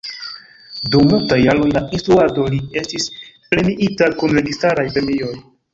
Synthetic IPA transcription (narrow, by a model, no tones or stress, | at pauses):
dumultajːalo̞jlaʔinstɾuado̞lie̞stisple̞niʔitakunɾe̞ɡistaɾajpɾe̞mio̞j